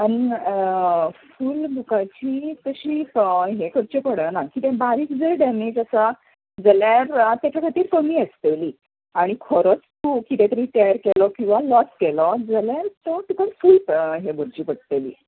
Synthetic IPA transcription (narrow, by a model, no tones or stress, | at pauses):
ani | fuːlbʱukat͡ɕiːt̪əɕiːɦekəɾt͡ɕepəɽənakit̪ɛ̃baɾiːkd͡zəɖɛmed͡ʑəsa | d͡zəljaɾt̪jat͡ɕakʰat̪iːɾkəmiːəst̪eliː | aɽ̃ikʰɔɾɔt͡st̪ukit̪ɛ̃t̪əɾiːt̪ajəɾkelɔkĩw̃ʋalɔskelɔd͡zəljaɾt̪ɔʈ̪ukənfuːlpɦebəɾd͡ʑiːpəɽ̚t̪elḭː